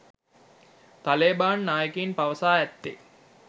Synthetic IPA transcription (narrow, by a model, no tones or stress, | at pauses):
t̪aleːbaːnːaːjəkeinpaʋəsaːæt̪ːḛ